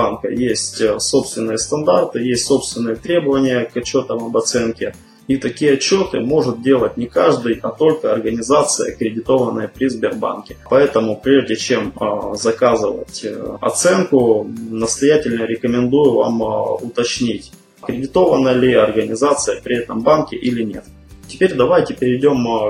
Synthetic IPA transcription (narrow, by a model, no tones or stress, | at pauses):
ankə̰jesʲtʲso̞pst̪vʲɪnːɨjəst̪ɐnd̪art̪ɨjesʲtʲso̞pst̪vʲɪnːɨjət̪ɾʲe̞bəvənʲɪjəkɐt͡ɕːo̞t̪əmɐbɐt̪sɛnkʲɪ | it̪ɐkʲijəɐt͡ɕːo̞t̪ɨmo̞ʐɨt̪̚dʲe̞lˠət̚ʲnʲɪkaʐd̪ɨjɐt̪o̞lʲkəɐrɡənʲɪzat̪sɨjə̰kɾʲɪdʲɪt̪o̞vənːəjəpɾʲɪzbʲɪrba̰nkʲɪpɐɛt̪əmʊpɾʲeʐdʲɪt͡ɕe̞mzɐkazɨvə̰tʲɐ̰t̪sɛnkʊnəst̪ɐjætʲɪlʲnəɾʲɪkəmʲɪnd̪ujʊva̰mʊt̪ɐt͡ɕnʲitʲ | kɾʲɪdʲɪt̪o̞vənːəlʲɪɐrɡənʲɪzat̪sɨjəpɾʲɪɛt̪əmbankʲɪʔilʲɪnʲe̞̰t̪ | tʲɪpʲeɾʲd̪ɐvajtʲɪpʲɪɾʲɪɪdʲo̞m